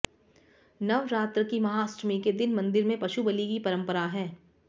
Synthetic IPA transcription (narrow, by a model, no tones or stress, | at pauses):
nɐʋɾaːt̪ɾəkimɐɦaːsɾmiked̪ɪnmɐ̃nd̪ɪɾmẽpɐʃubɐlikipɐɾə̃mpəɾaɦɛː